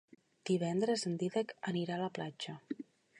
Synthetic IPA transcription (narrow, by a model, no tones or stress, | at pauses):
d̪̥iβ̞ɛnd̪ɾəzənd̪iðəkəniɾaləplad͡ʒə